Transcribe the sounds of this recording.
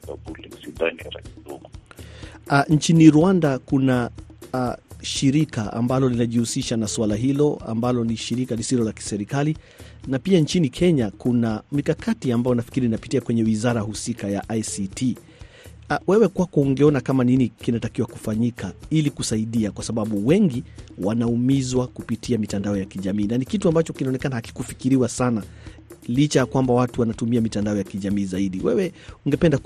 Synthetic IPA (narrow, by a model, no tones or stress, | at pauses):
abulsidaniaɾa̰isdɔɡɔ | ɲt͡ʃiniɾuwandakuna | ʃiɾikaa̰mbalɔlinaʄihusiʃanaswalaɦilɔa̰mbalɔniʃiɾikalisilɔlaki̥sɛɾikali | napiaɲt͡ʃinikʰɛɲakunamikakʰatiambajɔnafi̥kiɾinnapitiakwɛɲɛwizaɾahusikajaʔajsitʰi | wɛwɛkwakɔuŋɡɛɔnakamaninikinatakiwakufaɲikʰailikusaiɗiakwasaɓaɓuwɛŋɡiwanaumizwakupitʰiamitandaɔjakiʄamiːnanikituambat͡ʃɔkinaɔnɛkanahaki̥kufikiɾiwasana | lit͡ʃajakwambawatuwanatumiamitandaɔjakiʄamiːzaiɗiwɛ̰wɛuŋɡɛpɛnda